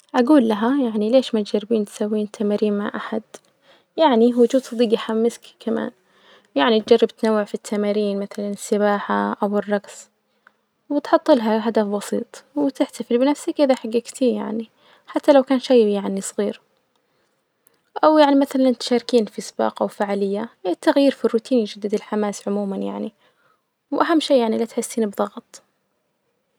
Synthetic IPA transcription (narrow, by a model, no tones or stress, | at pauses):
ʔaɡuːlːaɦajaʕnileːʃmaːt̪d͡ʒarːɪbiːnt̪sawːiːnt̪ʰːamaːɾiːnmaʕʔaħad̪ | jaʕniɦʊd͡ʒuːd̪sˤɑd̪iːɡjħamːɪskkama̰ːn | jaʕnit̪̚d͡ʒɑrˤːɑb̚t̪nawːɪʕfit̪ʰːamaːɾiːnmaθalanɪsːɪbaːħaʔawɪrˤːɑɡs | wɪt̪ħʊt̪ˤːɨlɦaɦad̪afbɑsiːt̪ˤwɪt̪ɪħt̪afɪlbɪnafsakʔɪðaħaɡːaɡt̪ija̰ʕni | ħat̪ːalawkaːnʃajjaʕnisˤɣiːɾ | ʔawjaʕnimaθalant̪ʃaːɾkiːnfisˤbɑ̰ːqʔawfaːʕaːlɪjːat̪ːaɣjiːɾfirːuːt̪ʰiːnid͡ʒad̪ːɪd̪ɪlħamaːsʕʊmuːmanja̰ʕni | wʔaɦamːʃiːjaʕnilat̪ħɪsːiːnbðˤɑɣt̪ˤ